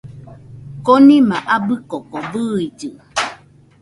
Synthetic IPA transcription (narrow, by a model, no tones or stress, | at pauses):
konĩmaʔabɨkɔkɔbɨid͡ʒɨ